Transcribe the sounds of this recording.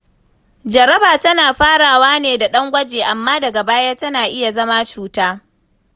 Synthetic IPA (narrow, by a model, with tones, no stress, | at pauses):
d͡ʒɐ˨ɾɐ˦baː˨tɐ˦naː˨ɸaː˦ɽaː˨waː˦neː˨da˨ɗɐ˦ŋɡʷɐ˦d͡ʒeː˨ʔa˨mːaː˦dɐ˨ɡa˨baː˦ja˦tɐ˦naː˨ʔɪ˦ja˨zɐ˦ma˦t͡ʃuː˨taː˦